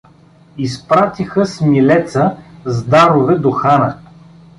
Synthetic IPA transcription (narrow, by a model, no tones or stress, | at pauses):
ispɾat̪ixəsmilɛt̪səzd̪aɾovɛd̪oxanə